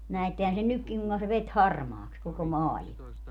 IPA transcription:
næetːehæn sen nykːiŋ kuŋkɑ se ʋet hɑrmɑːks koko mɑːlimɑ

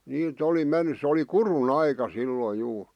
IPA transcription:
niːt oli menːy sĕ oli kurun ɑikɑ silːoi juː

